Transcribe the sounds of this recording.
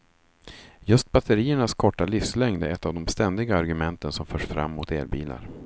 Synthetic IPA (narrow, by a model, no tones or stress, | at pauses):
jɵst̪̚bat̪ʰəɾiːəɳaskʰɔʈːalɪfslɛŋd̪æɾɛt̪ːavd̪ɔmst̪ɛnd̪ɪɡaːɾɡɵmɛnt̪ʰənsɔmfœːʂfɾa̰mːʊt̪ḛːɾbḭːla̰ɾ